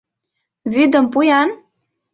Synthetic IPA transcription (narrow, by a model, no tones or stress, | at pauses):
βyd̪ə̆mpujɑn